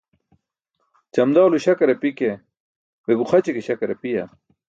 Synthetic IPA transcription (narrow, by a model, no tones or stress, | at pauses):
t͡ɕɐmd̪awluɕɐkɐɾɐpike | weɡuχɐt͡ɕekeɕɐkɐɾɐpijɐ̰